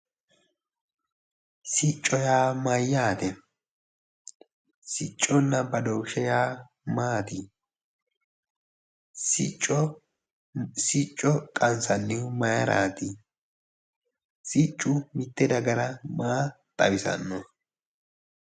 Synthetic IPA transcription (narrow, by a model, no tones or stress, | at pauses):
sɪt͡ʃʼːɔjaːmɐjːaːt̪ɛ | sɪt͡ʃʼːɔnːɐbɐd̪oːʃɛjaː | maːt̪ɪ | sɪt͡ʃʼːɔ | sɪt͡ʃʼːɔkʼɐnsɐnːɪmɐjɐɾa̰ːt̪ɪ | sɪt͡ʃʼːʊmɪt̪ːɛd̪ɐɡɐɾɐmaː | t̪ʼɐ̰wɪsɐ̰nːɔ